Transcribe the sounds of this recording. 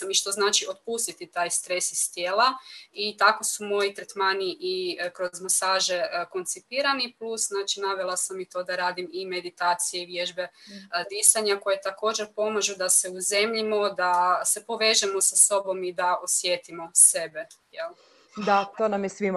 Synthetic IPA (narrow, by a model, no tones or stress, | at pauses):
miʃt̪o̞znaːt͡ʃio̞t̪̚puːst̪it̪it̪aːjst̪ɾe̞sist̪jeːlait̪ako̞sumo̞jit̪ɾet̪maniʔikɾo̞zmosaːʒe̞ko̞nt̪sipiːɾaniplusznaːt͡ʃinaʋelˠasamit̪o̞d̪aɾaːd̪imime̞d̪it̪aːt̪sijeiʋjeʒbe̞d̪isaɲako̞jet̪ako̞ːd͡ʒeɾpo̞maʒud̪ase̞uze̞mʎimo̞d̪ase̞po̞ʋe̞ːʒemo̞saso̞bo̞mid̪aosjet̪imo̞se̞be̞jelˠ | d̪at̪oːnamjesʋim